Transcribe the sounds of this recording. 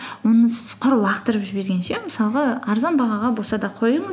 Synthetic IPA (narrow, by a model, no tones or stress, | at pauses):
wo̞nəsɪz̥qʰʊɾəlˠɑqt̪əɾəpʒɪbe̞ɾɡʲe̞nʃeməsɑlˠʁɑɑɾzɑnbɑʁɑʁɑbolˠsɑd̪ɑqʰo̞jəɴə